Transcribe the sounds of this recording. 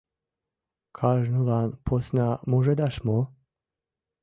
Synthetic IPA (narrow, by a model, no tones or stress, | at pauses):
kʰaʒnulanpʰosnamoʒɛd̪aʃmo